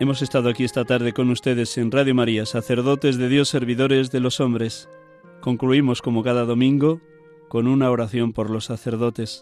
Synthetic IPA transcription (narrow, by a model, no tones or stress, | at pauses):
e̞mo̞se̞st̪að̞oakie̞st̪at̪aɾð̞e̞ko̞nust̪e̞ð̞e̞se̞nraðjomaɾiasaθe̞ɾðo̞t̪e̞zðe̞ðjo̞sːe̞ɾβ̞iðo̞ɾe̞zðe̞lo̞so̞mbɾe̞s | ko̞ŋkluimo̞sko̞mo̞kaðaðo̞mĩŋɡo̞ | ko̞nunao̞ɾaθjo̞mpo̞ɾlo̞sːaθe̞ɾðo̞t̪e̞s